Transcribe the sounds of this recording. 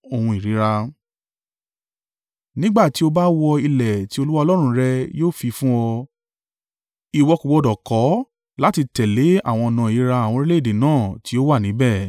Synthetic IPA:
o˨hũ˧i˨ɾi˨˦ɾa˧ | nĩ˦ɡ͡ba˦˨ti˨˦o˧ba˦wɔ˧i˧lɛ˨ti˨˦o˧lu˦wa˦˧lɔ˦ɾ̃ũ˧ɾɛ˧joː˦fi˧fũ˦ɔ˧ | i˨wɔ˧ku˨wɔ˧dɔ˨kɔ˨˦ | la˦ti˧tɛ˨le˨˦a̰˦˨w̃ɔ̃˧nã˨˧˨i˨˦ɾa˧a˨w̃ɔ̃˧ɾi˦le˦i˦˨de˨nãː˦˨ti˨˦o˦wa˦˨nĩ˨˦bɛ˦˨

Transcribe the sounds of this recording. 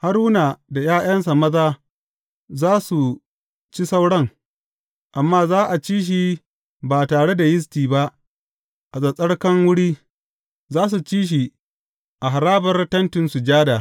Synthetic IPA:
ha˦ɾwʊ˦na˨da˨jaː˦j̰ɐ˦ns̬a˨mɐ˦zaː˦ | zaː˦su˨ | t͡ʃi˦sa˦wɽɐ˦ŋ | ʔa˨mːaː˦zaː˦ʔa˨t͡ʃiː˦ʃ̬i˦ | baː˨taː˨ɽe˦da˨jɪ˦s̬tiː˨ba˦ʔ | ʔa˨sʼɐ˨sʼɐ˦ɽkɐ˦ŋwʊ˦ɽiː˦ | zaː˦s̬u˨t͡ʃiː˦ʃ̬i˨ | ʔa˨ɦa˨ɾaː˦bɐ˨rtɐ˦ntɪ˨nsu˨d͡ʒaː˦daː˨

